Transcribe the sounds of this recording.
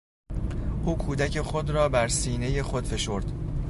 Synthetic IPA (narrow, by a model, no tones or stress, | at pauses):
ʔuːkʰuːd̪æcʰe̞xo̞d̪ɾɒːbæɾsiːne̞je̞xo̞d̪̥fe̞ʃo̞ɾd̪̥